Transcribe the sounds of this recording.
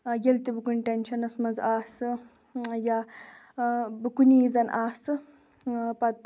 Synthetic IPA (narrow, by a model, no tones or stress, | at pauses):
jelt̪ibɨkunʲʈʲenʲʃɐnɐsmɐnzaːsɨ | ja | bɨkuniːzɐnʔaːsɨ | pɐt̪̚